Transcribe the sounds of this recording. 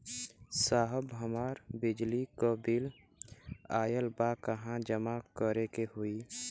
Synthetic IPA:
saːɦəbɦəmaːɾbɪd͡ʒlikobil | aːjəlbakəɦãd͡ʒəmakəɾekehʊi

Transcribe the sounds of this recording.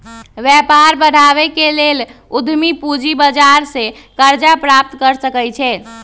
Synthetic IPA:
ʋjɛpaɾbəɽ̤ʱaβekelel | ud̪ʱmipud͡ʒibəd͡ʒaɾsẽkəɾd͡ʒapɾap̚t̪kəɾsəkəjt͡ʃʰɛ

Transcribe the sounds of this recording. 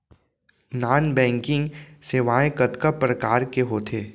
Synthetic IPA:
naːnbɛ̃ːŋkɪ̃ŋɡseːʋaːẽkət̪kapɾəkaːɾkeɦoːt̪ʰeː

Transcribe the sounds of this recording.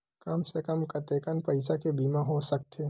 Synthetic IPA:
kɐmsekəmkɐt̪eːkənpɐɪsakebiːmãɦosɐk̚t̪eː

